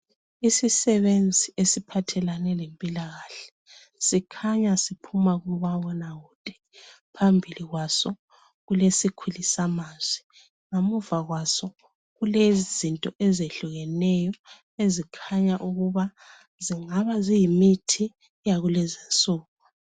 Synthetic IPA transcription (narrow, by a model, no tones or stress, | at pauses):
isisɛβend͡zʱiʔesipʰatʰɛlanɛlempʼilaɣaːɬɛ̥ | sikʰaɲasipʰumaɣuβawɔnaɣuːd̥ʼɛ̥ | pʰambʱiliɣwasɔ | ɣulesikʰulisamaːz̥i | ŋomuvaɣwasɔ | ɣulezizintʼɔʔɛzeɬuɣɛnɛjɔ | ezikʰaɲaʔuɣuβa | ziŋaβazijimitʰi | jaɣulɛzint͡sʼuːk̚u